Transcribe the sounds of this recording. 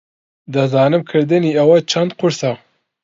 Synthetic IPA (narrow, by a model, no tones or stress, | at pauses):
d̪ɐzɑːnɨmkʰɨɾd̪ɨniːɐwɐt͡ʃʰɐnd̪qʰʊɾsa